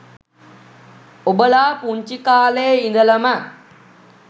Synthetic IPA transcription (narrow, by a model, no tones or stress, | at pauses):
obəlaːpuɲt͡ʃikaːleːind̪ələma